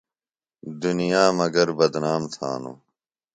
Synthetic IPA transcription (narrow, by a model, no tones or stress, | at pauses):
d̪unijaːmɐɡɐɾbɐd̪naːmt̪ʰa̰ːnṵː